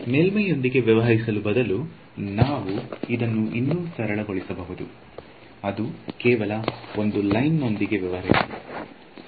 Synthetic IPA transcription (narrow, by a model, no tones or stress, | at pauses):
meːlmɐjond̪iɡe̞ʋjɐʋɐɦɐɾisɐlubɐd̪ɐlu | naːʋuid̪ɐnːuʔinːuːsɐɾɐɭɐɡo̞ɭisɐbɐɦud̪u | ɐd̪ukɛːʋɐlɐond̪ulɐjnːo̞nd̪iɡe̞ʋjɐʋɐɦɐɾisɐi